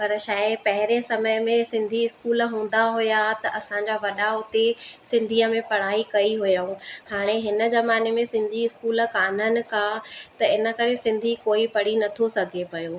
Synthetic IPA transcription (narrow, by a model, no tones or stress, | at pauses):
pɐɾʃaːɪpɐɦɪɾesɐməjmẽsɪ̃nd̪ʱiɪskuːl̆ɦũːn̆d̪aɦʊjat̪ɐʔɐsãɲd͡ʑaʋɐɗaʊt̪esɪ̃nd̪ʱiːəmẽpɐɽ̤aːikɐiɦʊjəũhaːɽ̃eɦɪnə̆zɐmaːnemẽsɪ̃nd̪ʱiɪskuːlkaːn̤ənɪ̆kʰãt̪ɐɪnə̆kɐɾesɪ̃nd̪ʱikoːipɐɽ̤inɐt̪ʰosɐɡʱepɐjoː